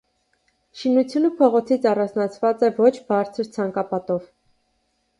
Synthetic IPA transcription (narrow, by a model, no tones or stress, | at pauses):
ʃinut͡sʰjunəpʰɔʁɔt͡sʰit͡sʰɑrɑnd͡znɑt͡sʰvɑt͡sɛvɔt͡ʃʰbɑɾt͡sʰəɾt͡sʰɑŋkɑpɑt̪ɔv